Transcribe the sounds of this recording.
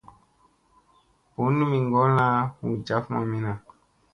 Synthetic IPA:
pu˨˦nũ˦mĩ˨ŋɡɔ˦la˦hu˨d͡ʒa˨˦fmã̰˨mĩ˦nã˨

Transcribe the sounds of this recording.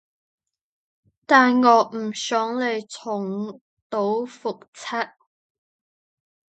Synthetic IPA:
t̪aː˨nŋɔː˨˧m̩˨˩sœː˨˥ŋle˨˧jt͡sʰʊ˨˩ŋ | t̪o˨˥wfʊ˨k̚t͡sʰɐ˥t̚

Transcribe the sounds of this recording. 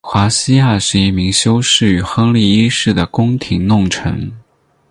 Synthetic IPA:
xwa˧˥ɕi˥ja˥˧ʂɻ̩˥˧i˥˩mi˧˥ŋɕjo˥ʊʂɻ̩˥˩y˨˧˩xɤ˥ŋli˥˩i˥ʂɻ̩˥˩d̪ə˩kʊ˥ŋt̪ʰi˧˥ŋnʊ˥˩ŋʈ͡ʂʰɤ̰˧˥ŋ

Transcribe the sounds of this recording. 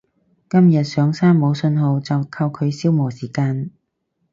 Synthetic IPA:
kɐ˥mjɐ˨t̚sœː˨˥ŋsaː˥nmo˨˧wsɵ˧nɦo˨˧wt͡sɐ˨wkʰɐ˧wkʰɵ˨˧ɥsiː˥wmɔː˨˩siː˨˩kaː˧n

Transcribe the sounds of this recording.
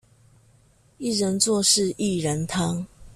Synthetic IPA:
i˥˨ɻə˨˦nt͡swɔ˥˧ʂɻ̩˥˨ʔi˥˨ɻə˨˦nt̪ʰɑ˦˥ŋ

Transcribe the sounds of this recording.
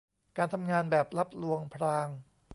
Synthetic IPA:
kaː˧nt̪ʰa˧mŋaː˧nbɛː˨˩p̚la˦˥p̚lu˧əŋpʰɾaː˧ŋ

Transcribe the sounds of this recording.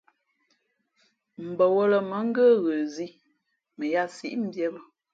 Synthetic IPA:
m̩˨bə˨wo˦lə˨mə˨˦ŋ̩˦ɡə˦ɣə˨zi˦ | mə˨ja˦˨sḭ˦ʔm̩˦bjɛ˦bə˦

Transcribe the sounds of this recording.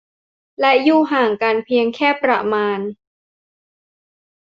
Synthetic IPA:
lɛ˦˥juː˥˩ɦaː˨˩ŋka˧npʰi˧əŋkʰɛː˥˩pɾa̰˧maː˧n

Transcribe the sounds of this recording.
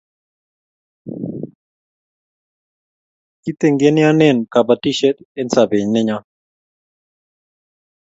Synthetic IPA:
ki˦t̪e˦ŋɡe˦nɪ˦a˦nɛ˦˨nka˨ba˨ti˦ʃɛ˦te˦nsa˨be˨ɲnɪ˦ɲa˦

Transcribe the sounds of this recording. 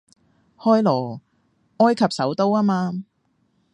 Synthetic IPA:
hɔː˥jlɔː˨˩ | ŋɔː˥jkʰɐ˨p̚sɐ˨˥wt̪o˥waː˥maː˧

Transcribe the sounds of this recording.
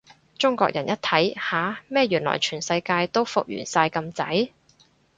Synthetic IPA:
t͡sʊ˥ŋkʷɔ̰ː˧k̚jɐ˨˩njɐ˥t̪̚ʰɐ˨˥jhaː˨˥mɛː˥jyː˨˩nlɔ̰ː˨˩jt͡ʃʰyː˨˩nsɐ˧jkaː˧jt̪o˥wfʊ̰˨k̚jy̰ː˨˩nsaː˧jkɐ˧mt͡sɐ̰˨˥j

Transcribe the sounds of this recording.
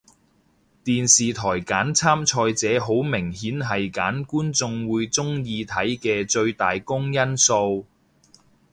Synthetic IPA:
t̪iː˨nsiː˨t̪ʰɔː˨˩jkaː˨˥nt͡sʰaː˥mt͡ʃʰɔː˧jt͡sɛː˨˥ɦo˨˥wmɪ˨˩ŋhiː˨˥nɦɐ˨jkaː˨˥nkuː˥nt͡sʊ˧ŋwuː˨˧jt͡sʊ˥ŋjiː˧t̪ʰɐ˨˥jkɛː˧ɵ˧ɥt̪aː˨jkʊ˥ŋjɐ˥nso˧w

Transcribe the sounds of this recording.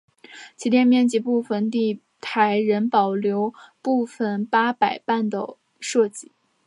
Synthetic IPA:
t͡ɕʰi˧˥t̪jɛ˥˧nmjɛ˥˩nt͡ɕi˧˥pu˥˩fə˨˩nt̪i˥˩ | t̪ʰa˧˥ɪɻə˧˥npɑ˨˩ʊljo˧˥ʊpu˥˩fə˨˩npa˥pa˨˩ɪpa˥˩nd̪ə˨˩ | ʂɤ˥˧t͡ɕi˥˩˦

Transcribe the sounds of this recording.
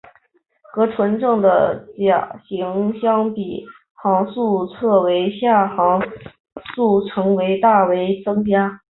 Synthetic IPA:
kɤ˧˥ʈ͡ʂʰwə˧˥nʈ͡ʂɤ˥˩ŋd̪ə˩t͡ɕja˨˩ɕi˧˥ŋɕjɑ˥ŋpi˨˩ | xɑ˧˥ŋsu˥˧t͡sʰɤ˥˩we˧˥ɪɕja˥˩xɑ˧˥ŋ | su˥˩ʈ͡ʂʰɤ˧˥ŋwe˧˥ɪt̪a˥˩we˧˥ɪt͡sɤ˥ŋt͡ɕja˥

